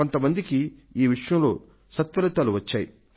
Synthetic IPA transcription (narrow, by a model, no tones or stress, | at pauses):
o̞nt̪ɐmɐnd̪ikiiːʋiʂɐjɐ̃mlo̞̰ː | sɐt̪ʋɐlɐt̪aːluʋɐt͡ʃːaːjḭ